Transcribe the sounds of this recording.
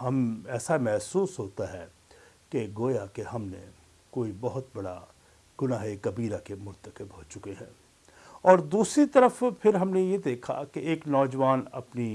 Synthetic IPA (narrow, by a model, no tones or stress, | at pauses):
ɦɐmɛːsamɛɦsuːsɦoːt̪aɦɛ | keɡoːjakeɦɐmnḛ | koːibɐɦʊt̪̚bɐɽa̰ | ɡ̥ʊnaːɦekɐbiːɾakemʊɾt̪əkɪbɦoːt͡ʃʊkeɦɛ̰̃ː | ɔːɾd̪uːsɾit̪ɐɾəfpʰɪɾɦɐmnejed̪eːkʰa̰keeːknɔːd͡ʒʋaːnɐ̰pni